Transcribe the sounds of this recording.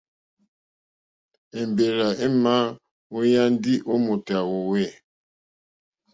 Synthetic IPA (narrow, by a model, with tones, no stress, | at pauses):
e˨mbe˨ɾa˨e˦ma˦ | o˦ja˦n˦di˦ʔo˦mo˨ta˨wo˨we˦˨